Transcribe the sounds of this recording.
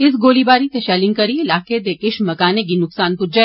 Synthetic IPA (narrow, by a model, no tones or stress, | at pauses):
ɪs̬ɡoːlibaːɾit̪eʃɛːlɪ̃ŋkɐɾiɪlaːked̪ekɪʃmɐkaːneɡ̬inʊksaːnpʊd͡ʒɐ